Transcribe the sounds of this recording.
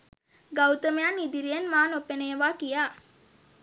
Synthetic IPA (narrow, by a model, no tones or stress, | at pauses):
ɡawt̪əmejanid̪iɾijenmaːnopeneːʋaːkijaː